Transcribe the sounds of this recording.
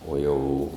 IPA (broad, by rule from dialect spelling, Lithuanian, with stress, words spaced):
oː ˈjɛʊ